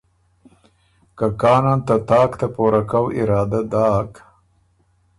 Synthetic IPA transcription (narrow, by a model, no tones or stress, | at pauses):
kakɑːnant̪at̪ɑːkt̪apoɾakawʔɪɾɑːd̪ad̪ɑːk